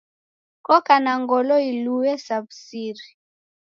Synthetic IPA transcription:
kɔkanaŋɡɔlɔiluwɛsabsiɾi

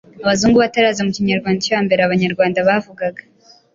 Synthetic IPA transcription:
aβazuːŋɡuβataɾaːzemuciɲaɾɡwaːndacuaːmbe̞ɾeaβaɲaɾɡwaːndaβaːvuɡaɡḁ

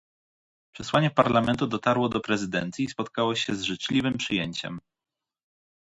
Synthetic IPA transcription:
pʂɛswaɲɛpaɾlamɛnt̪ud̪ɔt̪aɾwɔd̪ɔpɾɛzɘd̪ɛ̰nt̪sʲjiːspɔt̪̚kawɔɕɛzʐɘt͡ʂlʲivɘmpʂɘjeɲt͡ɕɛ̰m

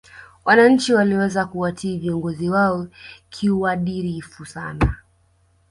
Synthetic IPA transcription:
wanaɲ̩t͡ʃiwaliwɛzakuatʰiːviɔŋɡɔziwaɔkʰiuaɗiɾifusana

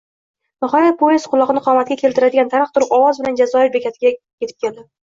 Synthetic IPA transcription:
bʊχaɾapoɪsqʰʊlˠːɒʁnɪqʰɒmat̪̚ɡʲakʲʰe̞lt̪ɪɾad̪ɪɡʲant̪ʰaɾɨq̚t̪ʰʊɾɪpɒwɒzbɪland͡ʒazɒɪɾbekʲʰat̪ʰɪɡʲajʲet̪ʰɪ̥p̚kʲʰe̞ld̪ɪ

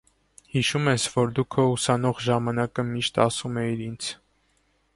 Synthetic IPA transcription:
hiʃumɛsvɔɾd̪ukʰəusɑnɔʁʒɑmɑnɑkəmiʃt̪ɑsumɛiɾint͡sʰ

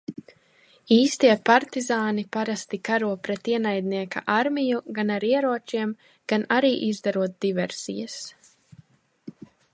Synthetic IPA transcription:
iːst̪iɛpaɾt̪izaːnipaɾast̪ikaɾuɔpɾɛt̪iɛnajd̪niɛka̰ʔaɾmijuɡanaɾiɛɾuɔt͡ʃiɛm | ɡ̥anaɾiːʔizd̪aɾuɔt̪̚d̪ivɛɾsḭjas

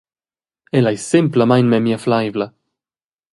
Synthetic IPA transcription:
elaesɛmplamajnmɛmiaflajvla

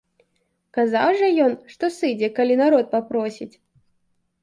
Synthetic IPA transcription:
kaza̰wʐɐjɔnʂt̪ɔsɨd͡zʲɛkalʲinaɾɔt̪̚papɾɔsʲit͡sʲ

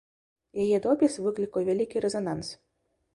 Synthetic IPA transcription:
jajɛd̪ɔpʲisvɨklʲikɔwvʲalʲikʲiɾɛzɔnans

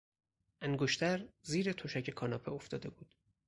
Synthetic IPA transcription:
ʔæŋɡoʃt̪ʰæɾziːɾet̪ʰoʃæce̞kʰɒːnɒːpʰeoft̪ɒːd̪e̞buːd̪̥

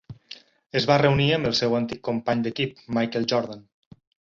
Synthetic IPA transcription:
əzβarəuniəmbəlˠsɛwənt̪ikːompaɲd̪əkip̚majkəlˠʒɔɾðan

